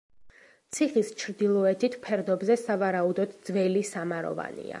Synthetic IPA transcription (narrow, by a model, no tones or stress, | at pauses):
t̪sʰiχist͡ʃʰɾd̪ilˠɔɛt̪ʰit̪ʰpʰɛɾd̪ɔbzɛsavaɾaud̪ɔd̪d̪zvɛlisamaɾɔ̰va̰nḭa̰